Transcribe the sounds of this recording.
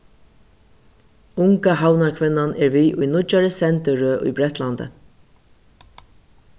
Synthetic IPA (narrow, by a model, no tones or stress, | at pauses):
ʊŋkaɦawnaɹkʰvɪnːanɛɹviːʔʊ̰jnʊt͡ʃːaɹəsɛnt̪əɾøʔʊ̰jbɾɛht̪lant̪ə̰